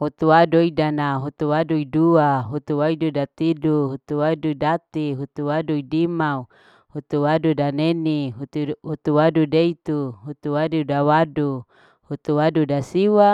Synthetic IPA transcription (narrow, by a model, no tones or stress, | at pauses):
hut̪uwadoidanaɦut̪uwaduiduaɦut̪uwaidudat̪iduɦut̪uwaduidat̪iɦut̪uwaduidimau | hut̪uwadudaneniɦut̪uɦut̪uwadudeit̪uɦut̪uwadudawadu | hut̪uwadudasiwa